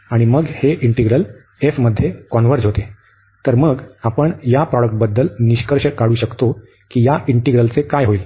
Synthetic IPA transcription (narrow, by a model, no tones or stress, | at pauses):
aɽ̃iməɡheʔiɳʈiɡɾəl | efməd̪ʱːjekɔnʋəɾd͡zɦot̪e | t̪əɾməɡapəɳjapɾɔɽək̚ʈ̚bəd̪ːəlniɕkəɾɕəkaɽuːɕəkt̪o | kiːjaʔiɳʈiɡɾəlt͡sekajɦoiːl